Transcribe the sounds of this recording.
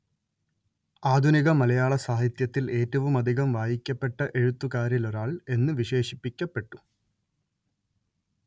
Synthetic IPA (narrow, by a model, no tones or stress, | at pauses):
aːd̪ʱuniɣɐmɐlɐjaːɭɐsaːɦit̪jɐt̪ːile̞ːtːɐʋumɐd̪ʱiɣɐmʋaːjikʲːɐpːe̞ʈːɐʔe̞ɻut̪ːukaːɾjiloɾaːɭe̞nːɨʋiɕe̞ːʂi̥pːikʲːɐpːe̞ʈːu̥